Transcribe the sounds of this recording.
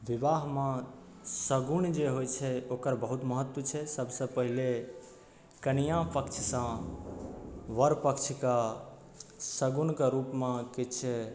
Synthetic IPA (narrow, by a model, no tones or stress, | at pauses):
ʋibaɦmã | səɡund͡ʒeɦojt͡ʃʰɛokəɾbəɦut̪məɦət̪wət͡ʃʰɛsəbʱsə̃pəɦile | kənijãpəkt͡ʃʰsã | ʋəɾpəkt͡ʃʰka | səɡunkaɾupmãkit͡ʃʰɛ